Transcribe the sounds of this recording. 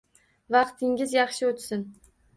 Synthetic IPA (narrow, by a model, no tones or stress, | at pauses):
vɑqt̪ʰɪŋɡʲɪzjɑχʃɪot̪sɪn